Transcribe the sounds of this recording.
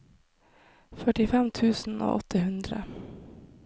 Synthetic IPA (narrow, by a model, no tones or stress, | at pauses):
fœʈɪfɛmt̪ʰʉ̟ːsno̰ːʔɔt̪ʰːəɦɵnd̪ɾa̰